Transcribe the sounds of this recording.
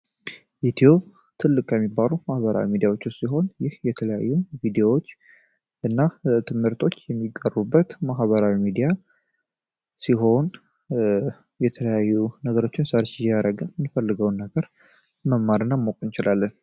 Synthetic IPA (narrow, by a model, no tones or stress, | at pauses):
ʔit̪ʰijob | t̪ʰɨlːɨkʼjɛmːibːalumahβəɾa̰wimid̪ijawo̞t͡ʃːusiɦo̞njɪhjɛt̪ʰələja̰jːuvid̪eowot͡ʃː | ʔɨnːat̪ʰɨmhɨɾt̪ʰo̞t͡ʃːjɛmːiɡʼːərubːət̪maɦβəɾawimid̪ija | siɦo̞n | jɛt̪ʰələjajːunəɡəɾo̞t͡ʃːɪnsəɾt͡ʃjaɾəɡɨnmɨnfəlːɨɡəwnːəɡəɾ | məmːaɾɨnːamokʼɨnt͡ʃɪlalːən